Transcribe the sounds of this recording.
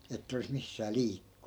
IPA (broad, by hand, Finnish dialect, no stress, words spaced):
etːæ̆ olis misːæː liːkːu̥n̥ːu̥